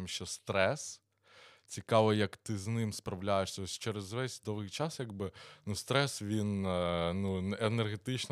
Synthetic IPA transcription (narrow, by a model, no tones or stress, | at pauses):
mʃt͡ʃɔst̪ɾɛs | t͡sʲikɑʋɔjɐkt̪ɪznɪmspɾɐʋlʲajeʂsʲɐɔsʲt͡ʃɛɾezʋɛsʲd̪ɔʋɪjt͡ʃɑsjaɡbɪnust̪ɾɛsʋʲinnuenerɦet̪ɪt͡ʃn